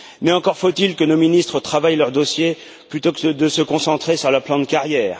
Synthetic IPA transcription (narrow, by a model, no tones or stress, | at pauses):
mɛɑ̃kɔʁfot̪ilkənominist̪χət̪χavajlœʁd̪osje | plyt̪okəd̪əsəkɔ̃sɑ̃t̪χesyʁlœplɑ̃d̪kaʁjɛːʁ